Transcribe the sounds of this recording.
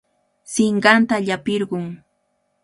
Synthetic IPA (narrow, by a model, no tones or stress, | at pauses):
sɪɴɢɑnt̪aʎapɪɾɢʊŋ